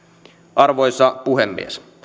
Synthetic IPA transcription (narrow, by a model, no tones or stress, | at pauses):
ʔɑrʋo̞jsɑpuɦemːḭes